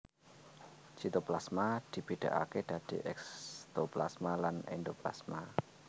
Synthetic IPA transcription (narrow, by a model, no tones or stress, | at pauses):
t͡ʃit̪oplasmad̪̥i̤b̥e̤d̪̥a̤̰ʔa̰ked̪̥ä̤d̪̥iʔɛkst̪opla̰smalanḛnd̪opla̰sma